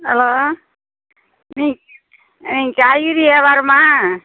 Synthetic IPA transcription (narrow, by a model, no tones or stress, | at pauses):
ɐloː | niː | nĩːŋkajiɾieːʋaːɾmaː